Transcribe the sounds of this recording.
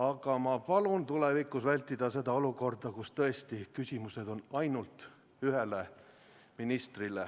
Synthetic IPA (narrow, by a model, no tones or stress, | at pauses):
ɑɡ̥ɑmɑpɑlunt̪ulevikːˑusvælʲt̪ːˑid̪̥ɑse̞d̪ɑo̞luko̞rd̪̥ɑkust̪ɤ̞est̪ikysʲimuse̞d̪̥o̞nɑjnult̪ | yɦe̞le | minist̪rile